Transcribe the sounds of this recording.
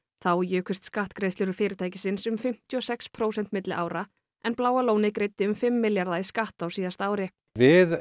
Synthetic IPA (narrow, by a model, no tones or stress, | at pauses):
θawjœːkʏst̪skaht̪kɾejðslɪɾʏɾfɪːɾɪt̪ʰajcɪsɪnsʏmfɪm̥t̪iɔsɛkspʰɾoːwsɛn̥t̪mɪt̪lɪʔaːwɾa | ɛnplaːwaloːwnɪkɾejt̪ːɪʏmfɪmːɪljaɾðaiskaht̪awsiːðast̪aːwɾɪ | vɪð